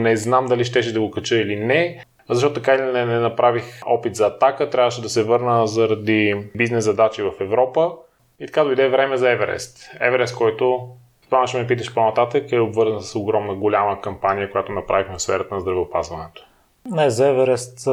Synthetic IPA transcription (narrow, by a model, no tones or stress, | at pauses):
nɛznamd̪ɐliʃt̪ɛʃɛd̪ɐɡokɐt͡ʃɤilinɛ | zɐʃ̬tɔt̪ʊt̪ɐkailinɛnɛnɐpɾavixɔpit̪zɐːt̪akət̪ɾʲavəʃɛd̪ɐsɛvɤɾnəzɐɾɐd̪ibiznɛszɐd̪at͡ʃivɐfɛvɾɔpə | it̪ɐ̥kad̪ɐojd̪ɛvɾɛmɛzɐɛvɛɾɛ̰st̪ɛ̰vɛɾɛst̪̚kɔjt̪o | t̪ovanɐʃɛmɛp̬it̪əʃponɐt̪at̪əkɛobvɤɾzənəssoɡɾɔmnəɡolʲaməkɐmpanʲijəkojat̪onɐpɾavixmɛfsfɛɾət̪ənɐzd̪ɾɐvɛopa̰zvɐnɛt̪o̥ | nɛzɐɛvɛɾɛst̪